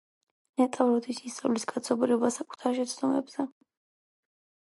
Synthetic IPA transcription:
nɛt̪ʼavɾɔd̪isist̪sʼavlisɡʰat̪sʰɔbɾiɔbasakʼu̥t̪ʰaɾʃɛt̪sʰd̪ɔmɛbz̥ɛ

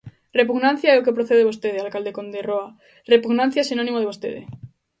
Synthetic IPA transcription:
repuɣnãn̟θjaeokepɾoθeð̞eβ̞ost̪eðealkald̪ekond̪eroa | repuɣnãn̟θjaesinõnĩmoðeβost̪ḛðḛ

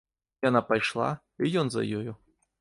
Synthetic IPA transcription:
janapajʂlˠa̰ | ijɔnzɐ̰jɔju

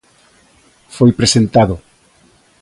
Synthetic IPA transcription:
fojpɾesent̪aðʊ

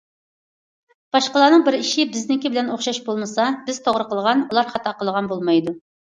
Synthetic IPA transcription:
b̥ɑʃqəlˠɑːnəŋbɪɾiʃibɪznɪkʲibɪlɛnoχʃɑʃbolˠmɨsɑbɪz̥t̪ʰoʁɾəqəlˠʁɑnulˠɑɾχɑt̪ʰɑqəlˠəʁɑnbolˠmɑjd̪u

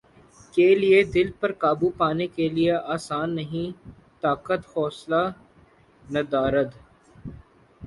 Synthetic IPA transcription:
kelied̪ɪlpɐɾkaːbupaːnekelieʔaːsaːnːɐɦĩ | t̪aːkət̪fɔːsla | nɐd̪aːɾət̪

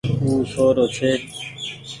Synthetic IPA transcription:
uːsoːɾoːt͡ʃʰeː

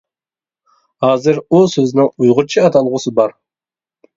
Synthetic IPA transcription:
hɑːzɨɾusøzɪnɪŋujʁʊt͡ʃʰiɑt̪ʰɑlˠʁʊsɨbɑɾ

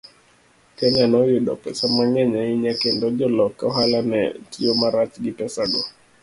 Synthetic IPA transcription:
kɛɲanɔjuɗɔ̰pɛsamaŋɛɲaiɲakɛndɔd͡ʒɔlɔkaɔɦalanɛ̰tʰiomaɾat͡ʃɡipɛsaɡɔ

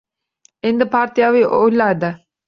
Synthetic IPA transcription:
end̪əpaːɾt̪ijaːʋiʔolːaːd̪a

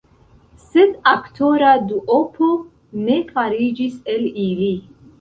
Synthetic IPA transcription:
sɛd̪akʰt̪ʰɔɾad̪uʔɔpʰɔ | nɛfʰaɾid͡ʒisɛlili

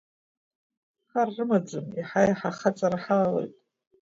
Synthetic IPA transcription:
χarːɨmad͡zɨmiħajaħaχat͡sʼaɾaħalalḛjtʼ

